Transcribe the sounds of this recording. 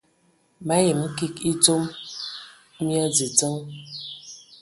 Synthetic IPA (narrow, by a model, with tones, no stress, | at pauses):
ma˨˦ji˨m̩˦ki˦ki˦to˦m | mi˦a˦d͡zi˨d͡zə˦ŋ